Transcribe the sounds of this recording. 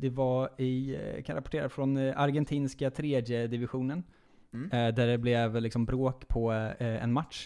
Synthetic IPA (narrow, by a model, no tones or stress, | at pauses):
d̪ɛvaɪ̰kʰanɾapɔ̥ʈʰeːɾafɾɔnaɾɡɛnt̪ʰiːnskat̪ʰɾeːd̪jəd̪ɪvɪɧuːnən | d̪æɖɛblɛvlɪksɔmbɾoːkpʰɔɛ̰nmat̪ʂ